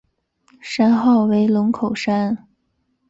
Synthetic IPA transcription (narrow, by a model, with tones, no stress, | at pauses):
ʂa˥nxɑ˥˩ʊwe˧˥ɪlʊ˧˥ŋkʰo˨˩ʊʂa˥n